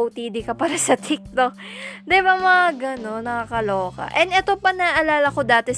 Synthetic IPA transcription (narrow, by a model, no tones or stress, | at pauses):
wt̪iːd̪ɪkɐpaːɾɐsɐt̪ʰik̚t̪ok̚ | d̪ɪbamɐaɡɐno̞nːɐkaːkɐloːkɐ̰ʔɛnd̪ɛt̪opɐnɐʔɐlaːlɐko̞d̪aːt̪ɛ